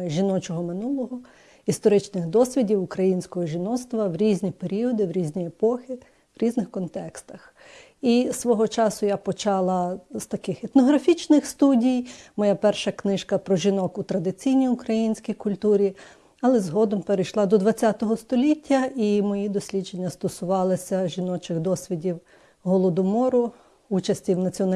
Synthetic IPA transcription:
ʒʲinɔt͡ʃɔɦɔmɪnulˠɔɦɔ | ist̪ɔɾɪt͡ʃnɪxd̪ɔsʲʋʲidʲiwʊkɾɐjinʲsʲkɔɦɔʒʲinɔst̪ʋɐʋɾʲizʲnʲipeɾʲiɔd̪ɪʋɾʲizʲnʲiepɔxʲɪ | ʋɾʲiznɪxkɔnt̪ɛkst̪ɐx | isʋɔɦɔt͡ʃɑsʊjapɔt͡ʃɑlˠɐst̪ɐkɪxɛt̪nɔɦɾɐfʲit͡ʃnɪxst̪udʲijmɔjapɛrʃɐknɪʃkɐpɾɔʒʲinɔkut̪ɾɐd̪ɪt͡sʲijnʲijʊkɾɐjinʲsʲkʲijkʊlʲt̪uɾʲi | ɐlˠɛzɦɔd̪ɔmpeɾejʃlˠɑd̪ɔd̪ʋɐt͡sʲːat̪ɔɦɔst̪ɔlʲitʲːɐimɔjid̪ɔsʲlʲid͡ʒenʲːɐst̪ɔsʊʋɑlˠɪsʲɐʒinɔt͡ʃɪɣd̪ɔsʲʋʲidʲiw | ɦɔlˠɔd̪ɔmɔɾʊ | ut͡ʃɐsʲtʲiwnɐt͡sʲiɔnɐ

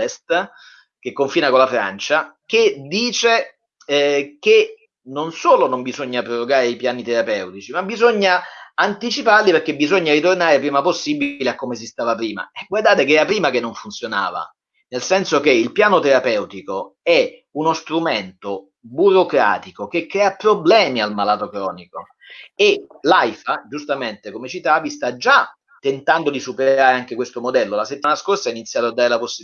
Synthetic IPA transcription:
ɛst̪ | kekːoɱfiːnakolafɾa̰nt͡ʃaked̪iːt͡ʃe | ke | nonsoːlonombizoɲːapɾoroɡaːɾeipjaːnit̪eɾapɛwt̪it͡ʃimabizoɲːaant̪it͡ʃiparliperkːebizoɲːaɾit̪ornaːɾepɾiːmaposːibiileakːomes̬ist̪aːvapɾiːma̰ɛɡward̪aːt̪ekeɛːɾapɾiːmakenːoɱfunt̪sjona̰ːva̰ | nelsɛnsok̟eilpjaːnot̪eɾapɛwt̪ikoɛunost̪ɾument̪o | buɾokɾa̰ːt̪ikokekːɾɛːapɾoblɛːmialmalaːt̪okɾɔːniko | elajfad͡ʒust̪ament̪ekomet͡ʃit̪avist̪ad͡ʒa | t̪ːent̪and̪od̪isupeɾaːɾeaŋk̟ekwest̪omod̪ɛlːolaset̪ːimanaskorsainit̪sːjaːt̪oad̪ːaːɾelaposːi

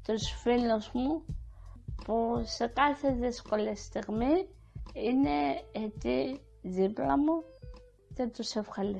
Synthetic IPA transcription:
t̪osfilosmu | puse̞kɐθeðeskolest̪iɣmi | ineet̪i | ðiplɐmu | cet̪usefxɐli

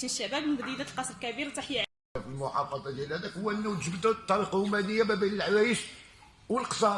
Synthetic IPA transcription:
nʃːæbæbbd̪ˤid̪æt̪lqɑsˤɾlkæbiɾt̪ˤɑħjəʕ | filmʊħɑ̰fɑd̪ˤɑd̪jælhæd̪ækhʊwːæʔənːut̪ʒəbd̪ut̪ˤːɑliqumænəjːabæbænəlʕwæjəʃ | wəlqə̥sˤɑ

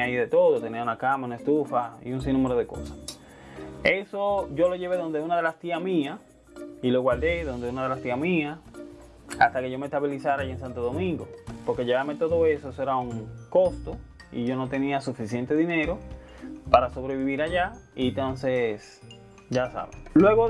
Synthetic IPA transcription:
aiðe̞t̪o̞ðot̪e̞niaunakamaunaest̪ufaḭunsinːumeɾo̞ð̞e̞ko̞̰sḁs | esoʝo̞lo̞ʝe̞βe̞ðo̞nd̪eunaðe̞last̪iamias | iloɣwaɾd̪e̞ðo̞nd̪eunaðelast̪iamĩa | a̰st̪ake̞ʝo̞mest̪aβilisaɾaiensant̪oðo̞mĩŋɡopo̞ɾkeʝeβamet̪o̞ðo̞e̞soesoeɾauŋko̞st̪o̞ | ḭʝo̞no̞t̪e̞niasufisje̞nt̪e̞ðine̞ɾo̞ | paɾaso̞βɾe̞βiβiɾaʝaint̪o̞nses | ɟ͡ʝasa̰βḛŋlwe̞ɣo

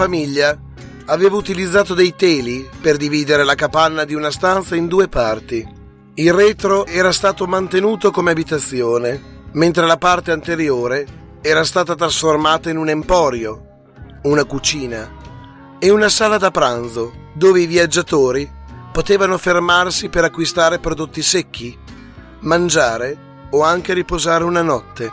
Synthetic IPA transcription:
famiʎːaː | veːvaut̪ilid̪zːaːt̪od̪ejt̪ɛːliperd̪iviːd̪eɾelakapanːad̪iunast̪ant̪saind̪uːepart̪i | ilrɛːt̪ɾoɛːɾast̪aːt̪omant̪enuːt̪okomeabit̪at̪sːjoːnement̪ɾelapart̪eant̪eɾjoːɾe | ɛːɾast̪aːt̪at̪ɾasformaːt̪ainunempɔːɾjo | unakut͡ʃiːna | eunasaːlad̪apɾanzod̪oːveiviad͡ʒːat̪oːɾipot̪eːvanofermarsipeɾakːwist̪aːɾepɾod̪ot̪ːisek̟ːi | mand͡ʒaːɾe | oaŋk̟eɾipozaːɾeunanɔt̪ːe

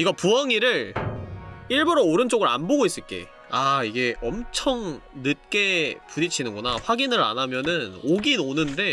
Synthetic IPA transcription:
iɡapuʌŋiɾɯɾ | iɭbuɾooɾɯnt͡ɕ͈oɡɯɾa̰nboɡois͈ɯɭk͈e̞̰ | aiɡe̞ʔʌmt͡ɕʰʌŋnɯt̚k͈e̞puɲit͡ɕʰinɯnɡʌnaɸwaɡinɯɾa̰namjʌnɯnoɡinonɯnde̞

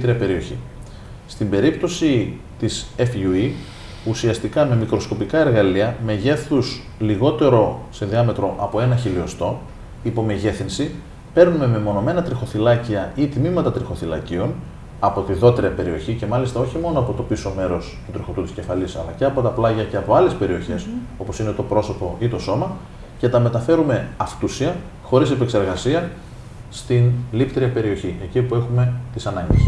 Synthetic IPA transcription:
t̪ɾiɐpe̞ɾio̞çḭ | st̪imbe̞ɾipt̪o̞si | t̪isefui | usiɐst̪ikɐme̞mikɾo̞sko̞pikɐe̞ɾɣɐliɐme̞ʝe̞θus | liɣo̞t̪e̞ɾo̞sinðiɐme̞t̪ɾo̞ʔɐpo̞e̞nɐçiliost̪o̞ | ipo̞me̞ʝe̞θinsi | pe̞ɾnume̞memo̞no̞me̞nɐt̪ɾixo̞θilɐciɐit̪mimɐt̪ɐt̪ɾixo̞θilɐ̰cio̞n | ɐpo̞t̪iðo̞t̪ɾiɐpe̞ɾio̞çice̞mɐlist̪ɐo̞çimo̞noɐpo̞t̪o̞piso̞me̞ɾo̞st̪ut̪ɾixo̞t̪ut̪i̥sce̞fɐlisɐ̰lɐ̰ce̞ɐpo̞t̪ɐplɐʝɐce̞ɐpo̞ɐle̞spe̞ɾio̞çe̞so̞po̞sine̞t̪o̞pɾo̞so̞po̞it̪o̞so̞mɐ | ce̞t̪ɐme̞t̪ɐfe̞ɾume̞ɐft̪usiɐ | xo̞ɾisepe̞kse̞ɾɣɐsiɐ | st̪inlipt̪ɾiɐpe̞ɾio̞çiecipue̞xume̞t̪isɐnɐɲɟḛs

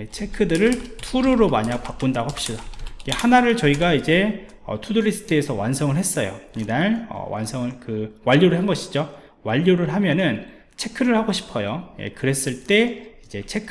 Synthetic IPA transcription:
et͡ɕʰe̞kʰɯdɯɾɯɭtʰuɾoɾomaɲaɡ̚pak͈undaɡoɦap̚ɕ͈idajehanaɾɯɭt͡ɕʌiɡaid͡ʑe̞ | ʌ̰tuduɾisʰdeːsʰʌwansʰʌŋɯɭɦe̞s͈ʌjo̰idanʌ̰wʔa̰nsʰʌŋɯɭkɯwaʎːoɾɯɭɦanɡʌɕʰi̥d͡ʑo | waʎːoɾɯɭɦamjʌnɯn | t͡ɕʰe̞kʰɯɾɯɭhaɡoɕʰi̥pʰʌjojḛkɯɾe̞s͈ɯɭt͈e̞id͡ʑe̞t͡ɕʰe̞kʰ

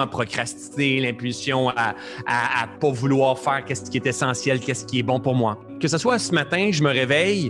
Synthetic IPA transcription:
apχɔkʁast͡s̪i̥zelɛ̃pylsjɔ̃a | aːpʌvulwɑːʁfɛːʁkʲɛskʲiɛt̪esɑ̃sjɛlkʲɛskʲiɛbɔ̃pʊʁmwa | kəsaswasəmat̪ɛ̃ʒəməʁevɛj

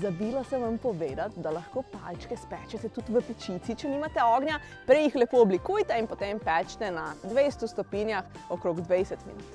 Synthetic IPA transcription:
zabiːlasɛʋampɔʋeːd̪at̪̚d̪alaxkoːpa̰lt͡ʃkɛspɛt͡ʃɛt̪ɛt̪ut̪ʋəpɛt͡ʃit̪sit͡ʃɛnimat̪ɛɔːɡnʲja | pɾɛjixlɛpoːɔblikujt̪ɛinpot̪empɛt͡ʃt̪ɛnad̪ʋejst̪ust̪ɔpiːnjax | ɔkɾoːɡd̪ʋɛjsɛt̪mḭnut̪

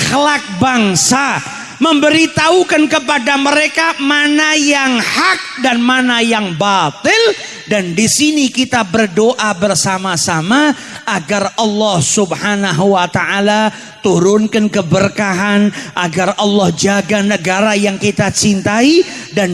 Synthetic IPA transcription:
xlak̚baŋsa | məmbəɾit̪aukankəpadaməɾekamanajaŋhak̚danmanajaŋbat̪ɪl | dandisinikit̪abərdoʔabərsamasama | ʔaɡarʔɑlːɔhsubhanaɦuwat̪aʔala | t̪uɾʊnkankəbərkaɦanʔaɡarɑlːɔhd͡ʒaɡanəɡaɾajaŋkit̪at͡ʃint̪aidan

